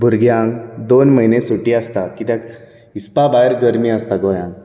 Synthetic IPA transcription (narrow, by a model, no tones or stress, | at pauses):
bʱuɾɡjãŋɡd̪onməɦinẽsuʈiast̪akit̪jãk | ispabajəɾɡəɾmiəst̪aɡojãŋɡ